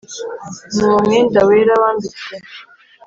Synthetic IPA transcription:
nuwomend̪aweɾawaːndie

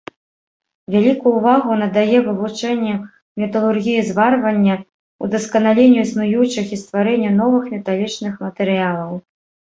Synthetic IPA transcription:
vʲalʲikuːvaɣunɐd̪ajɛvɨvut͡ʂɛnʲːɛ | mʲɛt̪ɐlˠurɣʲijizvarvɐnʲːɐ | ud̪ɐskɐnalʲenʲːuisnujut͡ʂɨxist̪vaɾɛnʲːɐn̪ɔvɨxmʲɛt̪alʲit͡ʂnɨxmɐt̪ɛɾɨjalˠɐw

